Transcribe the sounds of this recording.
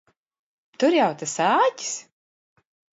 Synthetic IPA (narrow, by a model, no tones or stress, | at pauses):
t̪ʊɾjawt̪asaːci̥s